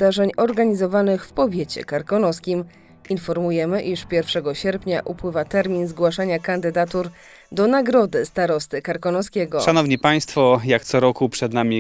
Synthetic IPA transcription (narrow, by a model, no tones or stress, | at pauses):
d̪aʐɛɲɔɾɡaɲizɔvanɘxfpɔvʲjet͡ɕɛ̰kaɾkɔnɔskʲim | infɔɾmujɛmɘʔiʂpʲjɛɾfʂɛɡɔɕɛɾpɲaʔupwɘvat̪ɛɾmʲinzɡwaʂaɲakand̪ɘd̪at̪uɾ | d̪ɔnaɡɾɔd̪ɘst̪aɾɔst̪ɘkaɾkɔnɔskʲɛɡɔʂanɔvɲipaj̃st̪fɔjakt̪sɔɾɔkupʂɛd̪namʲi